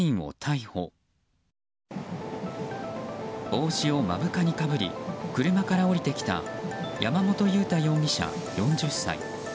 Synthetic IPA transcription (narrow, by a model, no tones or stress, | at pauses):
ĩɰ̃o̞̰t̪ʰaiho̞ː | o̞ːɕio̞ma̰bɯ̟kaɲ̟ikabɯ̟ɾʲḭkɯ̟ɾɯ̟makaɾao̞ɾʲit̪e̞kʲi̥t̪a̰jamamo̞t̪o̞jɯ̟ːt̪ajo̞ːmʲiɕa̰ | jõ̞ɲ̟d͡ʑɨsːa̰ḭ